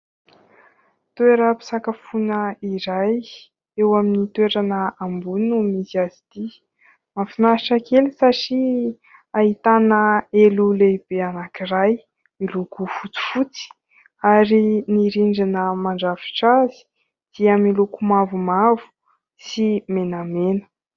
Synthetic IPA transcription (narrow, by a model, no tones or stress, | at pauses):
t̪weɾəpi̥sakafunəiɾaj | ewaminit̪weɾanəambunumisiazid̪̥i | mafinaaʈ͡ʂakelisaʈ͡ʂi | aɦit̪anəeluleib̥eanakiraj | milukufut͡su̥fut͡si̥ | aɾiniɾiɳɖ͡ʐanəmaɳɖ͡ʐafi̥ʈ͡ʂazi̥ | d̪̥iamilukumavumavu̥ | simenamenə̥